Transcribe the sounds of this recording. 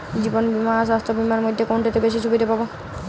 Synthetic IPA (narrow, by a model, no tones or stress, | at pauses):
d͡ʑibonbimasast̪obimaɾmod̪ʱːekoɳʈet̪ebeʃiʃʰubid̪ʱepabo